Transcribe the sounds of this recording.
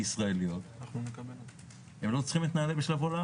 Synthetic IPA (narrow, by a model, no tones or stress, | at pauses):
isʁaelijot̪naχnunekabent | hemlo̞t͡sχimet̪naːlebeʃlavola